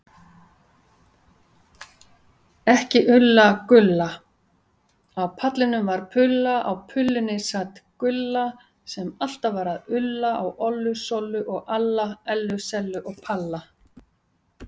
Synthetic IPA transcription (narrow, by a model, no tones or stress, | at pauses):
ɛhcɪʔʏlːakʏlːa | awpʰat̪lɪnʏmvaɾ̥pʰʏlːaʔawpʰʏlːʏnːɪsat̪kʏlːa | sɛmal̥t̪avaɾaðʏlːaawʔɔlːʏsɔlʏʔɔɣalːaɛlːʏsɛlːʏʔɔɣpʰalːa